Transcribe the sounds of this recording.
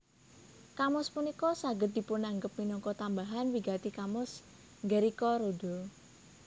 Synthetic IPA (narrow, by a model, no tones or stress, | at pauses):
kamʊspunikɔsaɡət̪̚d̥̪i̤pʊnːaŋɡəp̚minɔŋkɔt̪ambaɦanwiɡat̪ikamʊs | ŋɡeɾikɔɾodɔ̤